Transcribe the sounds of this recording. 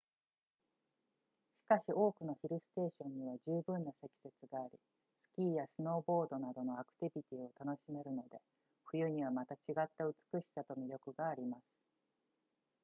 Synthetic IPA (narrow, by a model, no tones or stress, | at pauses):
ɕi̥kaɕiʔo̞ːkɯ̟no̞çiɾɯ̟sɨ̥t̪e̞ːɕõ̞ɲ̟ːiβaʑɨːbɯ̟̃nːase̞kʲi̥se̞t͡sɨɡaːɾʲḭ | sɨ̥kʲiːjasɨno̞ːbo̞ːd̪o̞nad̪o̞no̞akɯ̟̥t̪ibʲit̪ʲiːo̞t̪ano̞ɕime̞ɾɯ̟no̞d̪e̞ | ɸɯ̟jɯ̟ɲ̟iβ̞amat̪at͡ɕiɡat̪ːaɯ̟t͡sɨ̥kɯ̟ɕi̥sat̪omʲiɾʲo̞kɯ̟ɡaːɾʲimasɨ̥